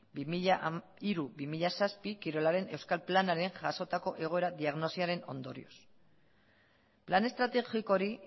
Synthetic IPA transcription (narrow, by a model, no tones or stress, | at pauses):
bimia | iɾuβimiʎasaspikiɾo̞laɾe̞ne̞wskalplanaɾe̞ŋʝaso̞t̪ako̞ʔe̞ɣ̞o̞e̞ɾaðiaɣno̞siaɾe̞no̞nd̪o̞ɾḭo̞s | plane̞st̪ɾat̪e̞xiko̞ɾi